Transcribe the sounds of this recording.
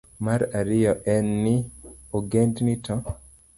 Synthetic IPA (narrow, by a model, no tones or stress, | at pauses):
maɾaɾɪjɔʔɛnːɪoɡendnɪtʰɔ